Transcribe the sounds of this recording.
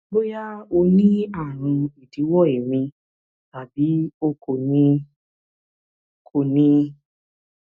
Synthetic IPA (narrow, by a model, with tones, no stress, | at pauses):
bo˦ja˦o˧nĩ˦a˦˨ɾ̃ũ˧i˨di˨˦wɔ˦˨e˨mĩ˧ | ta˨bi˨˦o˦ko˨nĩ˧˨ | kʰo˨nĩ˧